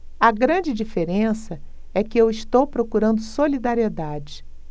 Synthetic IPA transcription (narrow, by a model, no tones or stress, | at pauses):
ɐɡɾɐ̃d͡ʒɪd͡ʒifeɾẽsɐ | ɛkɪewist̪owpɾokuɾɐ̃nd̪ʊsolid̪aɾied̪ad͡ʒɪ